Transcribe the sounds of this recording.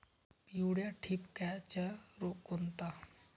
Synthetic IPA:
piuɽjaʈʰipkɛt͡ʃɛɾokːont̪a

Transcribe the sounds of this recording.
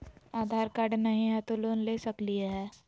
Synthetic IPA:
aːd̪ʱaːɾkaɾɖnɐɦĩɦɛt̪oloːnleːsɐklieɦɛː

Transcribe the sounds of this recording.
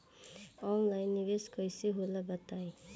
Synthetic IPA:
ɔnlajnːiβeskʌjsiɦolabʌt̪aj

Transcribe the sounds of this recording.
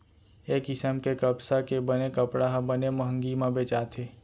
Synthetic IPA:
eːkɪsəmkekəbsakebənekəpɽaɦbəneməɦə̃ŋɡimãbeːt͡ʃaːt̪ʰeː

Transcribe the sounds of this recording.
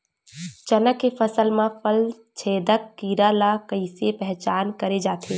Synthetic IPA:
t͡ʃɐnəkːefɐsəlmãfəl | t͡ʃʰeːd̪əkːiːɾalakəisepɛɦt͡ʃaːnkɐɾed͡ʒaːt̪ʰeː

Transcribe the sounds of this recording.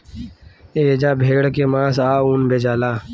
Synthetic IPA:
eed͡ʒaːbʱeːɡɽkemãːsaːuːnbʱed͡ʒaːlaː

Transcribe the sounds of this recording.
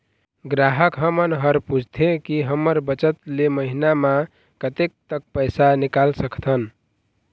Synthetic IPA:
ɡɾaɦəkɦəmənɦəɾpud͡ʒʱt̪ʰẽkiɦəməɾbət͡ʃət̪leməɦinamã | kət̪ek̚t̪ək̚pəjsanikalsəkʰt̪ʰən

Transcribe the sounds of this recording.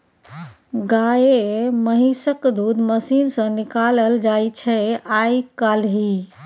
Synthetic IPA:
ɡaeməɦisəkd̪ud̪məsinsə̃nikaləld͡ʒajt͡ʃʰɛajkalɦi

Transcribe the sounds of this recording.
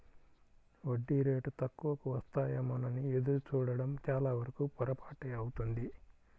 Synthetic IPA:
ʋoɖːiɾeːʈut̪ɐkːuʋɐkuʋɐst̪aːjamɐnɐnied̪uɾut͡ʃuːɽɐɽɐmt͡ʃaːlaːʋɐɾɐkupɔɾɐpaːʈeɐwut̪und̪i

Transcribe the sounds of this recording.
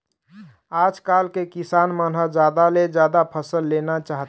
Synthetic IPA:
aːd͡ʒkalkekisaːnmənɦəd͡ʒaːd̪aled͡ʒjaːd̪apʰəsəlːeːnat͡ʃaɦt̪

